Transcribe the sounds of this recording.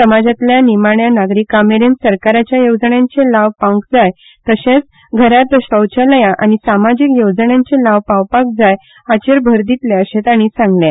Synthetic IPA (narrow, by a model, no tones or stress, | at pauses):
səmad͡zat̪ljanimaɳjanaɡɾikameɾensəɾkaɾat͡ɕjajod͡zəɳjãnt͡selaʋpãŋkd͡zaj | t̪əɕẽt͡s | ɡʱəɾat̪əɕəwt͡ɕələjaʔañisamad͡ʑikjod͡zəɳjãnt͡selaʋpawpak̚d͡zaj | at͡ɕeɾbʱəɾd̪it̪leəɕet̪aɽ̃isãŋɡljẽ